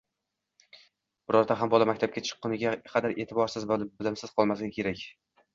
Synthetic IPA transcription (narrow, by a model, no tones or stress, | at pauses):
b̥ʊɾɒɾd̪aɦambɒlˠamakʲt̪ʰap̚kʲat͡ʃʰɨ̥qːʊnɪɡʲaqʰɑd̪aɾʔe̞ːt̪ʰɪbɒɾsɪzbbɪlɪmsɪz̥qʰɒlˠmasɪɡʲɪkʲʰe̞ɾakʲ